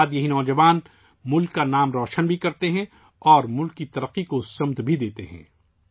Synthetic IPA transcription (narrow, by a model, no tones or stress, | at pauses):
d̪jɐɦinɔːd͡ʒɐʋaːn | mʊlkːanaːmɾɔːʃənbʱikɐɾt̪eɦɛ̃ | ɔːɾmʊlkːit̪ɐɾəqːikosɐmt̪bʱid̪eːt̪eɦɛ̰̃ː